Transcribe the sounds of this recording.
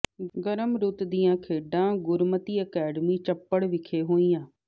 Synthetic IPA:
ɡəɾəmɾʊt̪d̪ijãːkʰeːɖãːɡʊɾmət̪iːəkɛːɖəmiːt͡ʃəpːəɽʋɪkʰeːɦoːijãː

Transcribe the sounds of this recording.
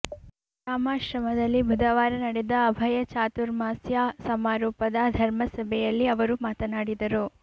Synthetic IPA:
ɾaːmaːʃɾɐmɐd̪ɐlːibʱud̪ɐʋaːɾɐnɐɽɛd̪ɐːbʱɐjɐt͡ʃaːt̪uɾmaːsjaːsɐmaːɾuːpɐd̪ɐd̪ʱɐɾmɐsɐbʱɛjɐlːiɐʋɐɾumaːt̪ɐnaːɽid̪ɐɾu

